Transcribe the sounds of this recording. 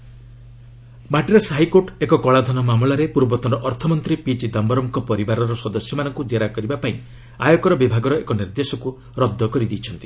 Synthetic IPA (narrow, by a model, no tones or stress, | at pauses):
maʈiɾasɦajkoʈekɔkɔɭad̪ʱɔnɔmamɭaɾepuɾbɔt̪ɔɾɔʔɔɾt̪ʰɔmɔnt̪ɾipit͡ʃid̪ambɔɾɔmkɔpɔɾibaɾɔɾɔsɔd̪ɔsjɔmanɔŋkud͡ʒeɾakɔɾibapaĩ | ajɔkɔɾɔbibʱaɡɔɾɔekɔniɾd̪esɔku | ɾɔd̪ʱːɔkɔɾid̪it͡ʃʰɔnt̪i̥